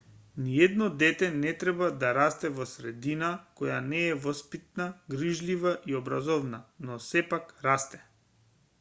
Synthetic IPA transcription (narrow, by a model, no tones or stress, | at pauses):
niɛd̪nɔd̪ɛt̪ɛnɛt̪ɾɛbad̪aɾast̪ɛvɔsɾɛd̪inakɔjanɛːvɔspit̪̚naɡɾiʒlivaʔiɔbɾazɔvnanɔsɛpakɾast̪ɛ̥